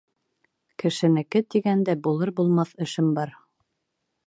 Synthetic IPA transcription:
kɘ̆ʃɘ̆nɘ̆kɘt̪iɡænd̪æbulˠɤɾbulˠmɑθɘ̆ʃɘmbɑɾ

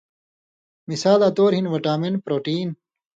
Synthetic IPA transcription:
misaːlaːt̪oːɾɦinʋɐʈaːmenpɾoːʈiːn

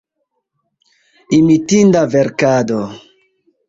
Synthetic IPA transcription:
imitindaveɾkado

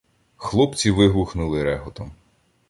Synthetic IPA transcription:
xlˠɔpt͡sʲiʋɪɦuxnʊlˠɪɾɛɦɔt̪ɔm

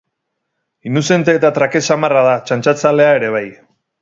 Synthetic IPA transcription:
inuse̞nt̪e̞ːt̪at̪ɾake̞samaraðat͡ʃant͡ʃat͡sale̞ae̞ɾe̞β̞aj

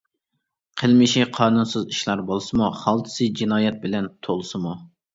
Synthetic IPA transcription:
qʰəlˠmɪʃiqʰɑːnunsɨziʃlˠɑɾbolˠsɨmuχɑlˠt̪ʰɨ̥sɨd͡ʒinɑːjɛt̪̚bɪlɛnt̪ʰolˠsɨmu

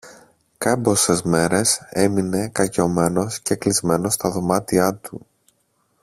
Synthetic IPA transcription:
kɐbo̞se̞zme̞ɾe̞se̞mine̞kɐʝo̞me̞no̞sce̞klizme̞no̞st̪ɐðo̞mɐt̪iɐt̪u

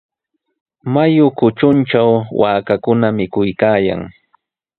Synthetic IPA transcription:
majʊkʊt͡ʃʊnt͡ʃawwaːkakʊnamɪkʊjkaːja̰ŋ

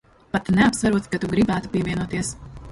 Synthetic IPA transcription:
pat̪nɛapsvaɾuɔt̪kat̪uɡɾibæːt̪u̥piɛviɛnuɔt̪iɛs

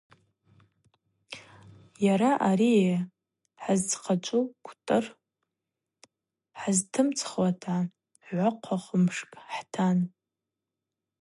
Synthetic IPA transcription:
jaɾaʔaɾie | ħazt͡sʰqʰat͡ʃʷʼukʷʰtʼɨr | ħaztʰɨmt͡sʰχwatʰa | ʕʷaqʷʰaχʷəmʂkʼħtʰan

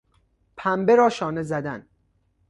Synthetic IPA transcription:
pʰæmbeɾɒːʃɒːnezæd̪æn

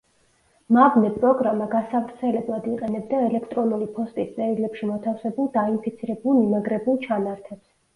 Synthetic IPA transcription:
mavnɛpʼɾɔɡɾamaɡasavɾt̪sʰɛlɛblˠad̪iqʼɛnɛbd̪aɛlɛkʰt̪ʼɾɔnulipʰɔst̪ʼist̪sʼɛɾilɛpʃimɔt̪ʰafsɛbulˠd̪ainpʰit̪sʰiɾɛbulˠmimaɡɾɛbulˠt͡ʃʰanaɾt̪ʰɛbs

